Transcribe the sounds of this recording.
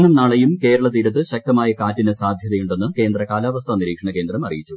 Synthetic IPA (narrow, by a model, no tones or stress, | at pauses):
ɳɐmnaːɭɐjumke̞ːɾɐɭɐt̪iːɾɐt̪ːɨɕɐk̚t̪ɐmaːjɐkaːtːinɨsaːd̪ʱjɐðɐjuɳɖe̞nːɨke̞ːnd̪rɐkaːlaːʋɐst̪ʰɐniɾiːkʂɐɳɐke̞ːnd̪rɐmɐrijit͡ɕːu